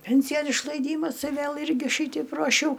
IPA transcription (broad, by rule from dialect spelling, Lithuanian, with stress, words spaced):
ˈpʲɛnʲsʲɪjoːn ɪʃlˠɐɪˈdʲiːmɐs ɪ ˈʋʲeːlˠ ˈɪrʲɡʲɪ ˈʃʲiːtʲɛɪp ruɔˈʃʲɛʊ